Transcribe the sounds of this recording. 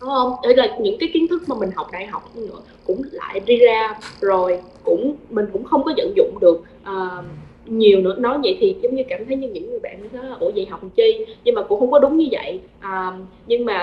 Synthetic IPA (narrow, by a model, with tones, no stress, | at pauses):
ɗɔ˨˦ʔə˧wŋ͡mʔə˧˩laː˨˩ɲɨ̰˧˥ŋkaː˨˦jki˨˦ənt̪ʰɨ˦˥k̚maː˨˩mï˨˩ŋ̟ɦa˨˩wk͡p̚ɗa̰ː˧˨˩jɦɔ˨˩wk͡p̚ɲ˧nɨ̰˧˥ə | kʊ̰˧˥ŋ͡mla̰ː˧˨jzi˧zaː˧zo˨˩j | kʊ̰˧˥ŋ͡mmï˨˩ŋ̟kʊ̰˧˥ŋ͡mxə˧wŋ͡mkɔ˨˦zə̰˧˨nzʊ̰˧˨ŋ͡mɗɨ˨˩ək̚ | ʔəː˨˩ | ɲi˨˩əwnɨ̰˧˥ənɔ˨˦jvə̰˧˨jt̪ʰi˨˩zə˨˦wŋ͡mɲɨ˧kaː˧˩mt̪ʰə˨˦jɲɨ˧ɲɨ̰˧˥ŋːɨ˨˩əjɓa̰ː˧˨nʰ˨˧˩a˨˦laː˨˩ʔo̰˧˩zḭ˧˩ɦa˨˩wk͡p̚t͡ɕi˧ɲɨ˧ŋmaː˨˩kʊ̰˧˥ŋ͡mxə˧wŋ͡mkɔ˨˦ɗʊ˨˦ŋ͡mɲɨ˧və̰˧˨j | ʔəː˨˩ɲɨ˧ŋmaː˨˩